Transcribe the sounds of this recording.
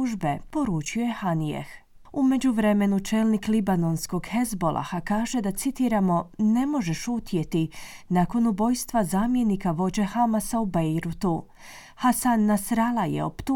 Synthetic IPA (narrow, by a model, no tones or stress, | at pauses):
uʒbe̞po̞ɾuːt͡ʃioje̞hanijḛx | ume̞d͡ʑuʋɾe̞me̞nut͡ʃe̞lˠniklibano̞nsko̞ɡxe̞zbo̞lˠʔa̰xakaːʒe̞d̪at̪sit̪iːɾamo̞ne̞mo̞ʒe̞ʃut̪ʰje̞t̪i | nako̞nubo̞jst̪ʋazaːmje̞nikaʋo̞d͡ʑe̞xamasaubejɾut̪u | hasanːasɾalajḛo̰pt̪u